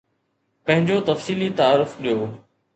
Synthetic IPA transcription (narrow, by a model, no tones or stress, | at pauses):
pɐ̃ɦɪ̃ɲd͡ʑot̪ɐfsiːlit̪ɐaːɾʊfɗijoː